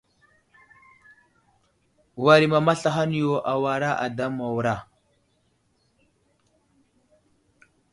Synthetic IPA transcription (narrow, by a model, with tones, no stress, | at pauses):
wa˨ɾi˨ma˨ma˦ɬa˨ɦa˦n˦jo˦ʔa˨wa˨ɾa˦ʔa˨da˦mːa˨wɾa˦˨